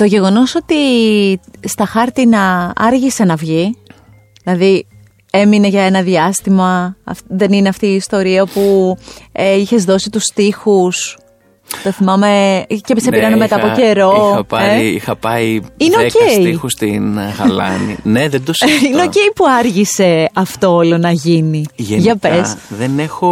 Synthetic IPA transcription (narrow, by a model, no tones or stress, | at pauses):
t̪o̞ʝe̞ɣo̞no̞so̞t̪i | st̪ɐxɐɾt̪inɐɐɾʝise̞nɐvʝi | ðilɐði | e̞mine̞ʝɐe̞nɐðiɐst̪imɐɐ̰fðe̞nineɐft̪iːst̪o̞ɾiɐpu | eiçe̞zðo̞sit̪ust̪ixus | t̪o̞θimɐme̞cepisepiɾɐnemet̪ɐpoce̞ɾo̞ɐɐeixɐpɐiineoceiixust̪ḭnɣɐlɐ̰nḭneðed̪osineoce̞ipuɐɾʝise̞ɐft̪oolonɐʝiniʝʝɐppesðenexo